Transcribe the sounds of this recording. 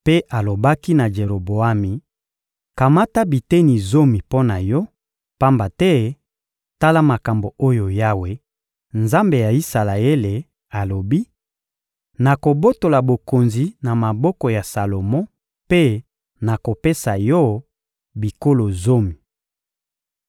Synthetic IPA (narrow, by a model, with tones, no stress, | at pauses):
pe˦ʔa˨lo˨ba˦ki˦na˨ʒe˨ʁo˨bo˨a˦mi˨ | ka˨ma˦ta˦bi˨te˦ni˨zo˦mi˨po˦na˨jɔ˦ | pa˦mba˨tɛ˦ | ta˦la˦ma˨ka˨mbo˨o˦jo˨ja˦we˨ | nza˦mbe˨ja˨i˦sa˨la˨e˦le˨ | a˨lo˨bi˦ | na˨ko˨bo˦to˨la˨bo˨ko˨nzi˨na˨ma˨bɔ˦kɔ˨ja˨sa˨lo˨mɔ̃˦ | pe˦ | na˨ko˨pe˦sa˨jɔ˦ | bi˨ko˦lo˨zo˦mi˨